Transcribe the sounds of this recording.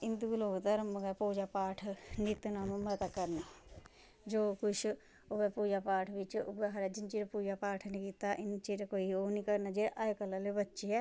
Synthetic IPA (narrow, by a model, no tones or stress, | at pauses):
ɪnd̪ɡuloːɡt̪əɾmɡapoːd͡ʒapaːʈʰnɪt̪naːmmət̪akəɾna | d͡ʒoːkʊt͡ʃʰ | obɛpuːd͡ʒapaːʈʰʋɪt͡ʃbaɦɾɛd͡ʒɪnt͡ʃiːɾpuːd͡ʒapaːʈʰnĩkiːt̪aʔɪnt͡ʃeːɾkoːioːnĩkəɾnad͡ʒeʔajkəlalebətːʃeɛ